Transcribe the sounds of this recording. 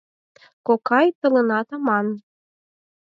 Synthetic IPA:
kokɑjt̪ɤ̆lɤ̆nɑt̪ɑmɑn

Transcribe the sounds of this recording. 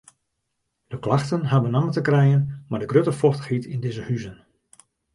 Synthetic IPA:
d̥əklaxtənɦabənamətəkrɛjənmadəɡrøtəfɔxtə̥xhitʰindɪzəhyzən

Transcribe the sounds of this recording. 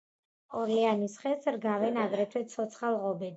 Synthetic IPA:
ɔɾɛanisχɛsɾɡavɛnaɡɾɛt̪ʰwɛt̪sʰɔt̪sʰχalˠʁɔbɛd̪

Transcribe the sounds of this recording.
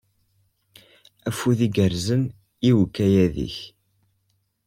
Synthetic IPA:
æfuðiɡəɾzən | iwkːæjæðḭç

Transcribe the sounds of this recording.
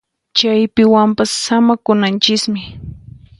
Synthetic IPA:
t͡ʃajpɪwampasːamakʊnant͡ʃɪkmɪ

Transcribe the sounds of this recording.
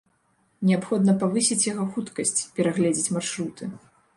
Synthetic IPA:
nʲɛapxɔd̪nɐpavɨsʲit͡sʲjaɣɔxut̪kɐsʲt͡sʲpʲɛɾaɣlʲɛd͡zʲit͡sʲmarʂɾut̪ɨ

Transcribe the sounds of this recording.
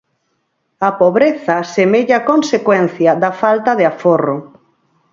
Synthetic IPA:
ɐpoβɾeθɐsemeʎakonsekwɛn̟θjɐðɐfalt̪ɐðɪaforʊ

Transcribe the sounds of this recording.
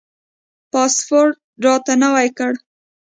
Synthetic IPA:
pɑspoɾʈ̚ | ɖɑt̪anawajkəɽ

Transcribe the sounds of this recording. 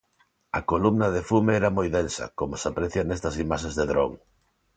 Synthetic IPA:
ɐ̰kolumnɐðefumeɛɾɐmojðensɐ̰komosapɾeθjɐnɛst̪ɐsimaʃẽzðeðɾo̰ŋ

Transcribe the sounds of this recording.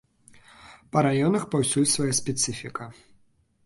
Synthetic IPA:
pɐɾajɔnɐxpawsʲulʲsvajasʲpʲɛt̪sɨfʲikɐ

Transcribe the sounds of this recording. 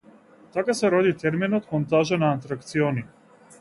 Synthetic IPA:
t̪akasɛɾɔd̪it̪ɛɾminɔt̪mɔnt̪aʒanaːnt̪ɾakt̪siɔni

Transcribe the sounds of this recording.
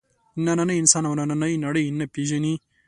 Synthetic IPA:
inːɐnɐnɐinsaːnɐʋɐnɐnɐnɐjnɐɽɐinːɐpid͡ʒɐni

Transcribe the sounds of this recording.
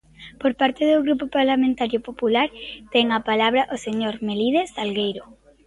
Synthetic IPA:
poɾpaɾt̪eðoɣɾupopaɾlamẽnt̪aɾjopopulaɾt̪ɛŋapalaβ̞ɾɐʔoseɲoɾmeliðestalɣejɾo

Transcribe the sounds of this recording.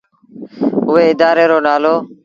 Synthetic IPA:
ʊʋeːɪd̪aːɾeːɾoːnaːloː

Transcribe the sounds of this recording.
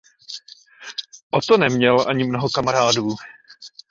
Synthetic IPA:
ʔot̪onɛmɲɛlʔaɲɪmnoɦokamaɾaːduː

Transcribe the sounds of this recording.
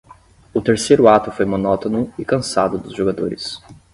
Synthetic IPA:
ʊt̪eɾsejɾʊat̪ʊfojmonɔt̪onʊɪkɐ̃sad̪ʊd̪ʊzʒoɡad̪oɾɪs

